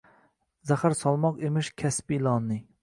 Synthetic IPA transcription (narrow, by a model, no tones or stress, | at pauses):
zæχæɾsɑlˠmɑqemɪʃkʲʰɛspilˠɑnːɨ